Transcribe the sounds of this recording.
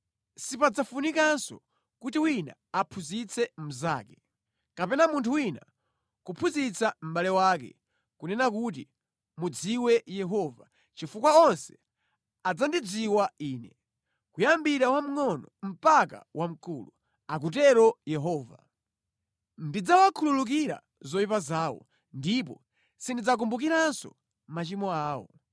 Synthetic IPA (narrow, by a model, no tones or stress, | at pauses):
sipad͡zafunikansɔ̰ | kutiwina̰ | apʰuzit͡sʰɛm̩za̰ːkɛ | kapɛnamuntʰuwina | kupʰuzit͡sʰam̩balɛwakɛ̰ | kunɛnakut̬ḭ | mud͡ziwɛjɛɦɔva | t͡ʃifukwaɔnsɛ̥ | ad͡zandid͡ziwaiːnɛ | kujambiɾawam̩ŋɔnɔm̩paka̰wʔam̩kuːlu | ak̬utɛɾɔjɛɦɔːva | ndid͡zawakʰululuk̬iɾa̰ | zɔipazaːwɔ̰ | ndip̬ɔ | sindid͡zak̬umbuk̬iɾansɔ̰ | mat͡ʃimɔaːwɔ̰